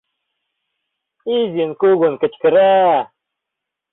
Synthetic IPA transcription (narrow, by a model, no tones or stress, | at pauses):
izinkuɡunkət͡ʃkɾa